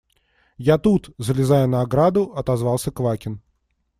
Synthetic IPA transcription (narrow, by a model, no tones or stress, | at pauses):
jat̪ut̪zəlʲɪzajənəɐɡɾad̪ʊɐt̪ɐzvɑlˠsʲəkvakʲɪn